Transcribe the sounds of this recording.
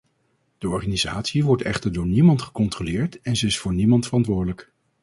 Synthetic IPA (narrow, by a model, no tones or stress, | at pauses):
d̥əɔɹχaːniza̰ːtsiʋɔɹtʰɛ̰χtəɹdʊːɹnimɑntχə̥kɔntrolɪːɹtɛnzəɪsfʊːɹnimɑntfərɑntʋʊːɹdələk